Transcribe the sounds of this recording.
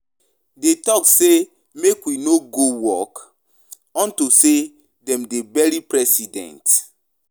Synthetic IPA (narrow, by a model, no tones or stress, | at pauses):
detɔkse | mekwinoɡowɔk | ɔ̃ntuse | dɛ̃mdebɛɹipɹɛsidɛ̰̃nt